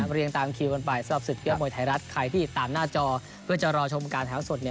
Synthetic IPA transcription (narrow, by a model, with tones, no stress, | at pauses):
ɾi˧əŋt̪aː˧mkʰiː˧wko˧npa˨˩jsa˧ɾa˨˩p̚sɯ˨˩t̪̚ki˦˥˩moː˧˩jt̪ʰa˨˩˦jɾa˦˥t̪̚kʰa˧jt̪ʰiː˥˩t̪aː˨˩mnaː˥˩t͡ɕɔː˧ | pʰɯ˥˩ɐt͡ɕa˨˩ɾɔː˧t͡ɕʰo˧mkaː˧nt̪ʰaː˩˦˥wso˨˩t̪̚ni˧˥˩